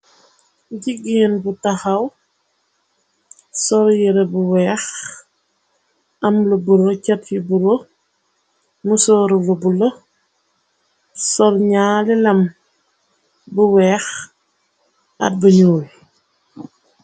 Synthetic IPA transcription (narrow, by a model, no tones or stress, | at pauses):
ɟiɡinbutɐxɐw | sɔljiɾɐbuwɛːx | ɐmlubuɾocɐt̚jibuɾo | musɔːɾulubulo | sɔlɲaːlɛlɐm | buwɛːx | ɐ̰t̚buɲuːl